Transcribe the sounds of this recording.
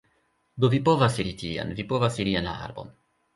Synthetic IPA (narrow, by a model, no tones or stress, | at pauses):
d̪ovipovasiɾitia̰nvipo̞vasiɾienla̰a̰ɾbo̞̰n